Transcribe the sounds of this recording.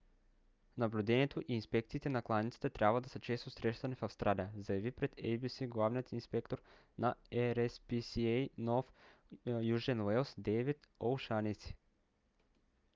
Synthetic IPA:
nɐblʲud̪ɛniɛt̪ʰoʔiːnspɛkt̪siːt̪ɛnɐklˠanit̪si̥t̪ɛt̪ɾʲabvəd̪ɐsət͡ʃɛst̪osɾɛʃt̪ɐnifɐfst̪ɾalʲijəzɐjɐvipɾɛt̪ɛjbisiɡlˠavnijət̪inspɛkt̪oɾ | naɛɾɛspisiɛjnɔf | juʒɛnvɛlˠsd̪ɛvɛt̪olˠʃanit̪si̥

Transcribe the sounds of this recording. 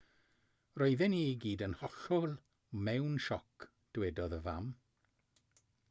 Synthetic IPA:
roɨðɛniɡiːdənhɔɬɔlˠ | mɛwnʃɔk | d̥wɛdɔðəva̰m

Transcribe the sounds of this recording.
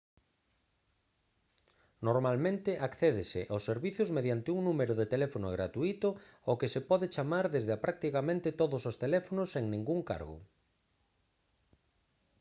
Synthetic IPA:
noɾmalmẽnt̪ɪʔakθɛðɪsɪ̰ʔawsːeɾβiθjʊzmeðjant̪ɪuŋnũmeɾʊðet̪elɛfonʊoɣɾat̪uit̪ʊokɪsepɔðɪt͡ʃamaɾðezðɪapɾʔak̚t̪ikamẽnt̪ɪt̪oðʊsost̪elɛfonʊsːeŋnĩŋɡuŋka̰ɾɣʊ̰

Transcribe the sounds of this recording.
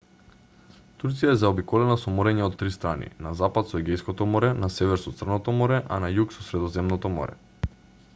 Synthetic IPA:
t̪uɾt̪sijaɛzaobikɔlɛnasɔmɔɾɛɲɛɔt̪ːɾist̪ɾanḭnazapat̪sɔɛɡɛjskɔt̪ɔmɔɾɛnasɛvɛɾsɔt̪sr̩nɔt̪ɔmɔɾɛʔa̰najuksɔsɾɛd̪ɔzɛmnɔt̪ɔmɔ̰ɾɛ̰

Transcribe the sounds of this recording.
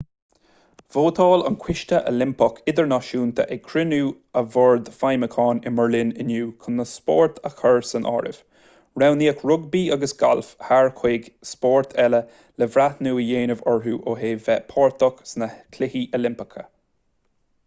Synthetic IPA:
v̥oːt̪ʰɑːlə̰nkʰwɪʃt̪əʔə̰lɪmpɔkʰɪd̪əɹnaʃuːnt̪ʰə̰ʔɛkʰɹɪnuː | əvɔɹd̪fajməkʰɑːnɪməɹlɪnɪnjuːkʰənːəspɔ̰ɹt̪ʰəxʰəɹsənʔɔ̰ːɹɪ̰v̥ | ɹawniːəkɹʊɡ̚biːaɡəsɡ̥a̰lfhaɹkʰweːɡspɔːɹt̪ʰɛlə | lɛvɾat̪nuːjeːnəvɔɹɦuːʔoːɦeːvɛpʰɔːɹt̪ʰɔksnəkʰlɪhiʔəlɪmpɪkʰə̰

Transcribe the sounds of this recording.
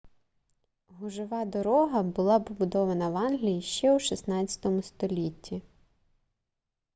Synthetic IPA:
ɦʊʒɪʋɑd̪ɔɾɔɦɐbʊlˠɑpɔbʊd̪ɔʋɐnɐʋɑnɦlʲijiʃt͡ʃɛwʃisnɑt͡st͡sʲɐ̥t̪ɔmʊst̪ɔlʲitʲːi

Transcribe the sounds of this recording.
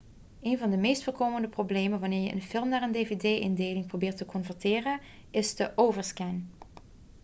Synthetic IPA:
eːnvɑndəmejstfʊːɹkoːməndəprobleːmənʋanɪːɹjə̰ʔənfɪlˠmnaːɹəndeːvedejʔɪndeːlɪŋprobɪːɹtəkʰɔnfəɹtɪːrə | ʔɪsdəʔowvəɹskɛn

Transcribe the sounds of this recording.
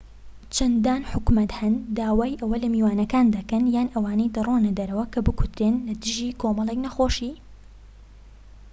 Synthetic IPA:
t͡ʃʰɐnd̪aːnħʊkmɐt̪hɐnd̪aːwaːjʔɐwɐlɐmiːwaːnɐkaːnd̪ɐkɐnjaːnʔɐwaːnɐjd̪ɐronɐd̪ɐɾɐwɐkʰɐbɨkʰʊt̪ɾeːnlɐd̪ɨʒiːkʰoːmɐlˠeknɐxoːʃiː

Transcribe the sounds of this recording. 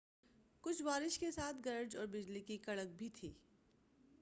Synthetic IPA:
kʊt͡ʃʰʋaːɾɪʃkesaːt̪ʰɡɐɾd͡ʒɔːɾbɪd͡ʒlikikɐɭək̚bʱit̪ʰḭː

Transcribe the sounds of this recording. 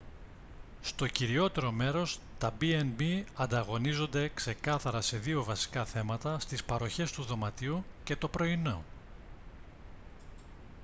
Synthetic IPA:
st̪o̞ciɾio̞t̪e̞ɾo̞me̞ɾo̞s | t̪ɐbienbiɐnd̪ɐɣo̞nizo̞nd̪e̞kse̞kɐθɐɾɐse̞ðio̞vɐsi̥kɐθe̞mɐt̪ɐst̪ispɐɾo̞çe̞st̪uðo̞mɐt̪iuce̞t̪o̞pɾo̞ino̞

